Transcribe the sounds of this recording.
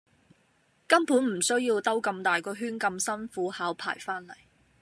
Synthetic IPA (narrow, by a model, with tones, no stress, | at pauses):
kɐ˥mpʰuː˨˥nm̩˨˩sɵ˥ɥjiː˧wt̪ɐ˥wkɐ˧mt̪aː˨jkɔː˧ɦyː˥nkɐ˧msɐ˥nfuː˨˥haː˨˥wpʰa̰ː˨˩jfaː˥nlɐ̰˨˩j